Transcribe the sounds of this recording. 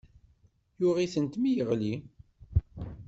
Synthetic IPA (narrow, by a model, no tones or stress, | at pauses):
jʊʁiθənt̪mijəʁli